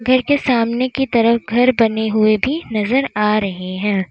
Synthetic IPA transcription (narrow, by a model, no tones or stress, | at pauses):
ɡʱɐɾkesaːmnekit̪ɐɾəfɡʱɐɾbɐneɦʊebʱinɐzəɾaːɾɐɦeɦɛ̃ː